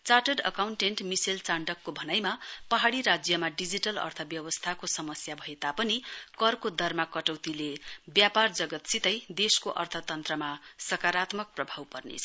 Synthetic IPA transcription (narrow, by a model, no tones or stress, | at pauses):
t͡saʈʌɖʌ̰kawɳʈeɳʈmisilt͡saɳɖʌkːobʱʌnajmapʌɦaɽiɾad͡zjʌmaɖid͡ziʈʌlʌ̰rt̪ʰʌbjʌwʌst̪ʰakosʌmʌsjabʱʌet̪apʌnikʌrkod̪ʱʌrmakʌʈʌwt̪ilebjapard͡zʌɡʌt̪sit̪ʌjd̪eskoʔʌ̰rt̪ʰʌt̪ʌnt̪rʌmasʌkaɾat̪mʌk̚prʌbʱawpʌrnḛt͡sʰʌ̥